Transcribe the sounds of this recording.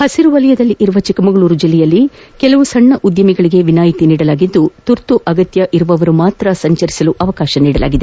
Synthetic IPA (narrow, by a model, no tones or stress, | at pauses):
hɐsiɾuʋɐlɐjɐd̪ɐlːiʔiɾuʋɐt͡ʃikɐmɐɡɐɭuːɾud͡ʒilːɛjɐlːikɛlɐʋusɐɳːɐʔud̪jɐmiɡɐɭiɡe̞ʋinaːjit̪iniːɽɐlaːɡid̪ːut̪uɾt̪uʔɐɡɐt̪jɐʔiɾuʋɐʋɐɾumaːt̪ɾɐsɐɲt͡ʃɐɾisɐluʔɐʋɐkaːʃɐniːɽɐla̰ːɡid̪e